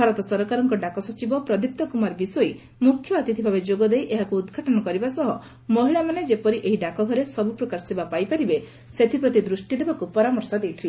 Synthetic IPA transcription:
bʱaɾɔt̪ɔsɔɾɔkaɾɔŋkɔɖakɔsɔt͡ʃibɔpɾɔd̪iuk̚t̪ɔkumaɾbisɔj | mukʰːjɔːt̪it̪ʰibʱabed͡ʒoɡɔd̪ejʔeɦakuːd̪ɡʱaʈɔnɔkɔɾibasɔɦɔ | mɔɦiɭamaned͡ʒepɔɾiʔeɦiɖakɔɡʱɔɾesɔbupɾɔkaɾsebapajpaɾibe | set̪ʰipɾɔt̪id̪ɾusʈid̪ebakupɔɾamɔɾsɔd̪ejt̪ʰile

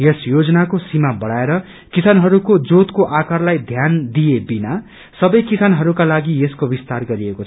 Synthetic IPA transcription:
jesjod͡zʌnakosimabʌɽaeɾʌ | kisanɦʌɾukod͡zot̪koʔakarlajd̪ʱjand̪ijebina | sʌbʌjkisanɦʌɾukalaɡijeskobist̪arɡʌɾiekot͡sʰ

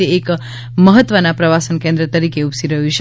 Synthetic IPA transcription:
eːk | məɦət̪ːʋənapɾəʋasənkẽnd̪ɾət̪əɾikeupsiɾəɦut͡ʃʰe

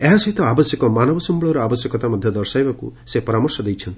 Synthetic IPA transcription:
eɦasɔɦit̪ɔabɔsjɔkɔmanɔbɔsɔmbɔɭɔɾɔabɔsjɔkɔt̪amɔd̪ʱjɔd̪ɔɾsajbɔkṵsepɔɾamɔɾsɔd̪ejt͡ʃʰɔnt̪ii

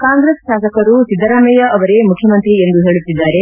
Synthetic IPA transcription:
kaːŋɡɾeːsʃaːsɐkɐɾusid̪ːɐɾaːmɐjɐʔɐʋɐɾe̞mukʰjɐmɐnt̪ɾiend̪uɦe̞ːɭut̪ːid̪ːaːɾe̞

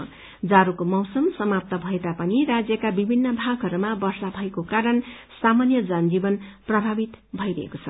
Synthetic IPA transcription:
d͡zaɾukomʌwsʌmsʌmap̚t̪ʌbʱʌet̪apʌniɾad͡zjʌkabibʱinːʌbʱaɡɦʌɾumabʌrsabʱʌekokaɾʌn | samanjʌd͡zʌnd͡zibʌnprʌbʱabit̪bʱʌjɾʌɦḛkot͡sʰʌ

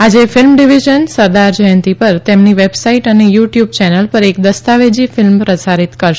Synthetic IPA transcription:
ad͡ʒefɪlmɖiʋiʒənsəɾd̪aɾd͡ʒəjənt̪ipəɾt̪emniʋebsaiʈənejuʈjub̚t͡ʃɛnəlpəɾekd̪əst̪aʋed͡ʒifɪlmpɾəsaɾit̪kəɾʃ

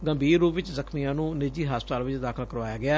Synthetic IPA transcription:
ɡəmbiːɾːuːʋɪt͡ʃzəkʰmijãːnũːnɪd͡ʒiːɦaːspət̪aːlʋɪt͡ʃd̪aːkʰəlkəɾʋaːjaːɡɪaː

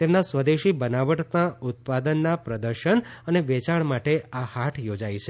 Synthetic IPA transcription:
t̪emnasʋəd̪eʃibənaʋəʈt̪nãut̪̚pad̪ənːapɾəd̪əɾʃəɳəneʋet͡ʃaɳmaʈeahaʈʰjod͡ʒajt͡ʃʰe

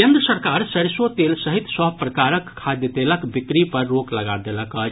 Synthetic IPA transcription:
kend̪ɾəsəɾkaɾsəɾsot̪elsəɦit̪səɦpɾəkaɾəkkʰːad̪jət̪eləkbikɾipəɾːokləɡad̪eləkət͡ʃ

